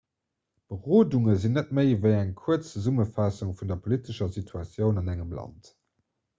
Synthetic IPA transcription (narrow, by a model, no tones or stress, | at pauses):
b̥əʁoːduŋəzinːət̚məɪvəɪæŋkʰuət͡st͡səzuməfɑsuŋfundɐpʰolitəʃɐsitʰuɑt͡sjəʊnɑnæŋəmlɑ̰nt